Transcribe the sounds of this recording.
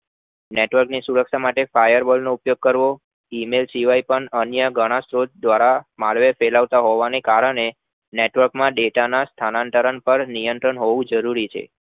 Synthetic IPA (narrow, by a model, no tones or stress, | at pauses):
neʈʋəɾknisuɾəkʃamaʈefajəɾbolnoupjoɡ̚kəɾʋo | imelsiʋajpəɳənjəɡəɽ̃asɾod̪̚d̪ʋaɾamalʋefelaʋt̪aɦoʋanekaɾəɽ̃e | neʈʋəɾkmãɖeʈanast̪ʰanãnt̪əɾənpəɾnijənt̪ɾəɳɦoʋũd͡ʒəɾuɾit͡ʃʰḛ